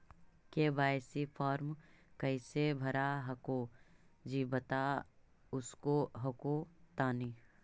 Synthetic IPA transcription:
kebaːjsipʰɔːɾm | kɐɪsebʱɐɾaɦɐkod͡ʒiːbɐt̪a | ʊskoɦɐkot̪aːni

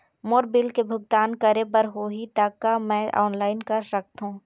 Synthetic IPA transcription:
moːɾbɪlkebʱʊɡ̚t̪aːnkɐɾebəɾɦoːɦit̪aːkːamɛ̃ːʔa̰ːnlaːɪnkɐɾsɐk̚t̪ɦũː

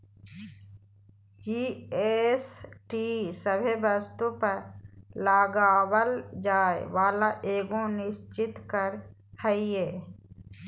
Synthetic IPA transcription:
d͡ʒiːesʈisəbʱebəst̪upəɾlaːɡaːwəld͡ʒaːḛʋaːlaʔeːɡõnɪʃt͡ʃɪt̪kəɾhəieː

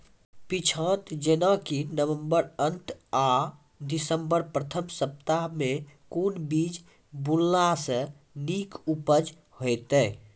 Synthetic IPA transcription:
pit͡ʃʰə̃ːt̪d͡ʒənãkinəʋə̃mbəɾənt̪aː | d̪ɪsəmbəɾpɾət̪ʰəmsəp̚t̪amẽkuːnbiːd͡ʒ | bulːasə | niːkupəd͡ʒ | hoɪt̪ɛː

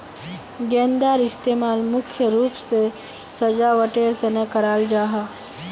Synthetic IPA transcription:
ɡɛ̃ːnd̪aːɾɪst̪eːmaːlmʊkʰjəɾuːpse | sɐd͡ʒaʋəʈeːɾt̪ɐnekɐɾaːld͡ʒaːɦa

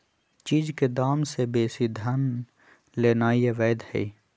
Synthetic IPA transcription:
t͡ʃiːd͡ʒked̪aːmsebeːsid̪ʱən | leːnaːieʋɛːd̪hɛ̰i

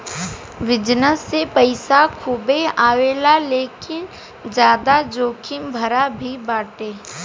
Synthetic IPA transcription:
ʋɪd͡ʒnəsːepəɪsakʰuːbeaːʋeːlaleːkɪn | d͡ʒjaːd̪ad͡ʒoːkʰɪmbʱəɾabʱibaːʈeː

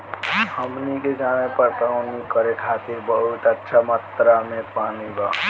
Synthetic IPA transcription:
həmniked͡ʒanepəɾt̪aʊnikəɾekʰat̪iɾbəɦut̪ətːʃʰamət̪ɾamẽpaniba

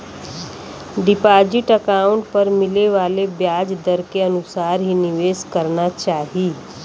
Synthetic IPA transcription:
ɖipad͡ʒiʈəkauɳʈ̚pəɾmileʋaːlebjaːd͡ʒd̪əɾkeənusaːɾɦiniʋeskəɾnat͡ʃaːɦi

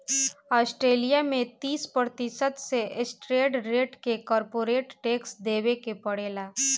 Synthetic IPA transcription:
ɔːsʈɾeːlijamẽt̪iːspɾɾət̪ɪsət̪seʔɪsʈɾeːɖɾeːʈkekɔːɾpoːɾeːʈʈeːksd̪eːwekepɐɽeːlaː

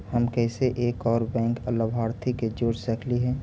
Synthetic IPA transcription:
həmkɛːseʔeːkɔːɾbɛ̃ːŋkələbʱaːɾt̪ʰiked͡ʒoːɾsəkʰliɦɛ̃ː

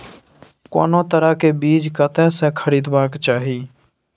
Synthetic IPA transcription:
ko̰ːnoːt̪əɾaːkebiːd͡ʒkət̪ɛ̃ːsẽkʰəɾiːd̪baːkt͡ʃaːɦiː

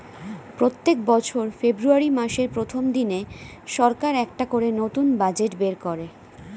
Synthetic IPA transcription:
pɾot̪ːek̚bɔt͡ɕʰoɾfebɾuaɾimaʃeɾpɾot̪ʰomd̪ine | ʃɔɾkaɾɛk̚ʈakoɾenot̪unbad͡ʑeʈbeɾkoɾe

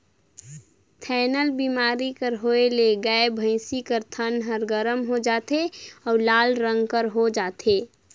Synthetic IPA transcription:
t̪ʰɛːnəlbimaːɾikəɾɦoeleɡaːebʱə̃ɪsikəɾt̪ʰənɦəɾɡəɾəmɦod͡ʒaːt̪eɔːɾlaːlɾə̃ŋɡkəɾɦod͡ʒaːt̪ʰe

